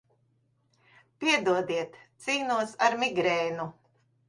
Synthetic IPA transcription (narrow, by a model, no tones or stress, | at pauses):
pʲiɛd̪uɔd̪iɛt̪ːsiːnuɔsaɾmiɡɾɛːnu